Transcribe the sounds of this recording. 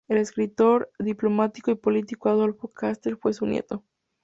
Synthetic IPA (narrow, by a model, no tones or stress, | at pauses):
ele̞skɾit̪o̞ɾðiplo̞mat̪ikoipo̞lit̪ikoaðo̞lfo̞kast̪eɾfwe̞sunjḛt̪o̞